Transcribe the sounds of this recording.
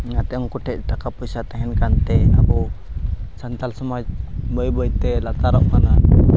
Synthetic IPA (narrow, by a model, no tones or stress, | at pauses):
ŋat̪ɛʔɔŋkuʈɛc̚t̪akapusat̪ɛɦɛnkant̪ɛabɔ | sant̪alsɔmabɔjbɔjt̪ɛlat̪aɾɔʔkana